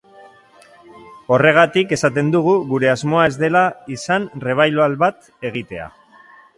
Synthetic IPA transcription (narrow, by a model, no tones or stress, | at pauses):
o̞re̞ɣ̞at̪ike̞sat̪e̞nd̪uɣ̞uɣuɾe̞azmo̞ae̞zd̪e̞laisanre̞β̞ajloalβat̪ | e̞ɣ̞it̪e̞a̰